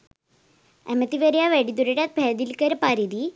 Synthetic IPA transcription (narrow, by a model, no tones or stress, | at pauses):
emɐt̪ːiʋeɾjaʋeɽid̪uɾeʈat̪̚bʱeːd̪ilkɐɾepɐɾid̪i